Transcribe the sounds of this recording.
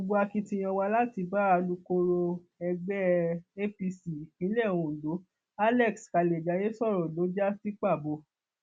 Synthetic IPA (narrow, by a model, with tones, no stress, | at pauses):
o˧ɡ͡bo˧˦a˧ki˧tĩ˧j̃ã˧wa˧la˦ti˧ba˦a˧lu˧ko˧˦ɾo˧ | ɛ˧ɡ͡bɛ˦e˦fi˧si˨ĩ˨˦lɛ˦˨w̃ũ˨lo˨˦ | a˦lɛ˦˨kska˨le˨d͡ʒa˨˦je˦sɔ˦˨ɾɔ̃˨lo˨˦d͡ʒa˦si˦k͡pa˦˨bo˧